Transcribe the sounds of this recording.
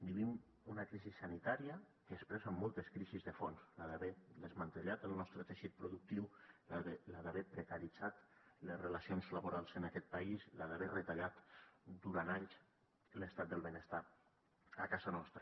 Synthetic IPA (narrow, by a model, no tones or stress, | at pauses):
biβim | unakɾizisːanit̪aɾiə | kəːspɾɛzamːɔlˠt̪əskɾizizðəfonslaðaβɛðəzmant̪əʎat̪əlˠnɔst̪ɾət̪eʃit̪̚pɾuðuk̚t̪iwlaelaðaβɛpɾəkəɾid͡zat̪ləsrəlasionzlaβuɾalˠzənakɛt̪̚paislaðaβɛrət̪aʎat̪d̪uɾanaʎs | ləst̪at̪̚d̪əlˠβenəst̪a | akazanɔst̪ɾə